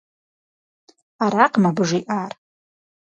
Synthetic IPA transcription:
aɾaqʼmabʐiʔar

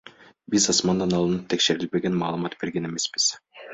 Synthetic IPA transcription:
bizɑsmɑnd̪ɑnɑlˠɯnɯp̚t̪ʰe̞kʃe̞ɾilbe̞ɡe̞nmɑːlˠɯmɑt̪b̥e̞ɾɡe̞ne̞me̞sbiz̥

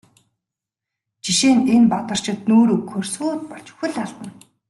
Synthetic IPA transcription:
t͡ɕiʃeːnenpat̪ə̆r̥t͡ɕɪ̆t̪̚noːɾɵkʰxɵrsuːt̪̚pɔɮt͡ɕxɵ̆ɮaɮt̪ə̆n

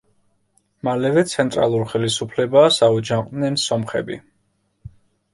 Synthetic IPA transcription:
malɛvɛt̪sʰɛnt̪ʼɾa̰lˠuɾχɛlisupʰlɛbasaud͡ʒaqʼnɛnsɔmχɛ̰bḭ

